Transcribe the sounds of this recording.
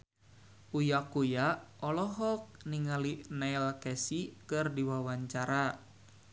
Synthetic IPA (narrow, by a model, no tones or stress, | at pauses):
ʔujakujaɔlɔɦɔk̚niŋalinailkɛsikɨrdiwawaɲt͡ʃaɾa